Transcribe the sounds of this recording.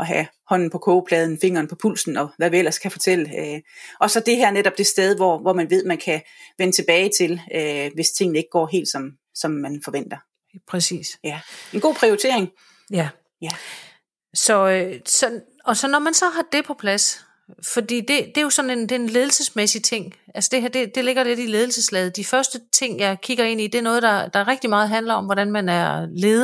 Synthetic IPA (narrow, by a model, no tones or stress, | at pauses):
ʔɒ̽ɦæ | hɒ̽n̰n̩pʰɒ̽kʰɔːpʰlɛːð̞ˠn̩fe̝ŋɐːnpʰɒ̽pʰul̰sn̩ɒ̽ʋæʋiel̰ɐskʰæfɒ̽t͡sʰel̰əøʔɒ̽sɒ̽d̥e̝ɦæɐ̰neɾ̥ɒ̽b̥d̥e̝sd̥eð̞ˠʋɒʋɒmænʋe̝ð̞̰ˠmænkʰæʋenət͡sʰe̝b̥ɛːɪt͡sʰe̝løʋe̝st͡sʰe̝ŋ̰n̩e̝ɡ̥̚ɡ̥ɒ̰ːɦe̝̰ːld̥sɒ̽m | sɒ̽mːænfɒ̽ʋen̰d̥ɐ | pʰɛsḭːsjæe̝nɡ̥o̝̰ːpʰʁioit͡sʰe̝̰ɐ̰eŋ | j | sɒ̽øsɒ̽ | ɒ̽sɒ̽nɒmænsɒ̽ɦɑ̈d̥e̝pʰɒ̽pʰlæs | fɒ̽d̥ḭːd̥e̝d̥e̝jo̝sɒ̽ne̝nd̥e̝ːnle̝ːð̞ˠl̩səsmesit͡sʰe̝ŋ̰ælsəd̥e̝ɦæɐ̰d̥e̝d̥e̝le̝ɡ̥ɐle̝ɾ̥ile̝ðˠl̩səslɛːð̞̩ˠd̥ifɶɐsd̥ət͡sʰe̝ŋ̰jɑ̈ɪkʰiɡ̥ɐe̝n̰id̥e̝æɐnɔ̽ːð̞̩ˠd̥ɑ̈d̥ɑ̈ʁɛɡ̥̚d̥imɑ̈ːð̞̩ˠɦænlɐɒ̽mʋɒɾ̥ænmænæɐle̝ːð̩ˠ